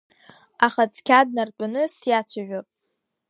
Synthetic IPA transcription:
aχat͡sʰkʲʰad̚nartʷʼanɨsjat͡ɕʷʰaʒᶣapʼ

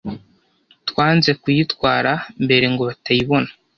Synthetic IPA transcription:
twaːnze̞kujitwaːɾambe̞ɾe̞ŋɡo̞βatajiβo̞nḁ

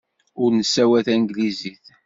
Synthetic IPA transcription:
ʊɾnəsːæwæθænɡliziθ

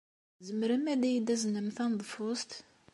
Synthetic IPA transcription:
zəmːəɾəmæd̪æjid̪æzənəmθænd̪ˤfʊst̪

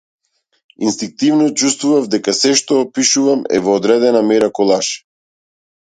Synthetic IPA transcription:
inst̪iŋk̚t̪ivnɔt͡ʃust̪vuvavd̪ɛkasɛʃt̪ɔːpiʃuvamɛ̰vɔːd̪ɾɛd̪ɛnamɛɾakɔlˠaʃ

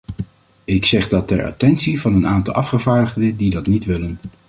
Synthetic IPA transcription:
ɪksɛχdɑtɛɹa̰tɛntsivɑnənaːntɑ̰lˠɑfχəvaːɹdəχdədidɑtnitʋɪlən

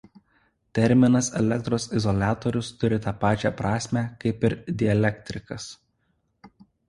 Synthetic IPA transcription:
t̪ʲɛɾʲˑmʲɪnɐsɛ̰lʲɛk̚t̪ɾoːsɪzɔlʲæːt̪ɔɾʲʊst̪ʊɾʲɪt̪ɑːpɑːt͡ʃʲɛ̰pɾɑːsʲmʲæːkɐɪpɪɾd̪ʲɪɐlʲɛkt̪ʲɾʲɪkɐs

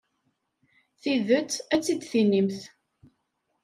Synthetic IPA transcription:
θiðət͡sːæt͡sːid̪θinimθ

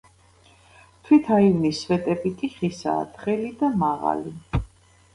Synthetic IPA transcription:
t̪ʰwit̪ʰaivnisvɛt̪ʼɛbikʼiχisa̰ːt̪χɛlid̪amaʁa̰li

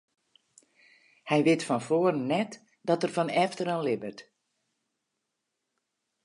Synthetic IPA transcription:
hɛjʋɪtfɔnfoːərənːɛt | dɔtərfɔnɛftəranlɪbərt

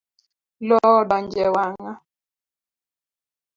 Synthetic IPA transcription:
lɔɓand͡ʒɛwaŋa

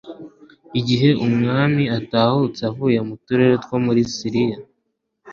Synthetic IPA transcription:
iɟiɦe̞umŋaːmiataːhut͡savuːjamutuɾe̞ɾetkwomuɾisiɾija

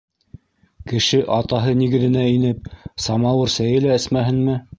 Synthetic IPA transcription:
kɘ̆ʃɘʔɑt̪ɑɦɤniɣɘ̆ðɘ̆næinɘp̚sɑmɑwɤɾsæjɘlæɘ̆smæɦɘnmɘ

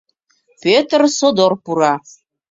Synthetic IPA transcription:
pøt̪rsod̪orpuɾa

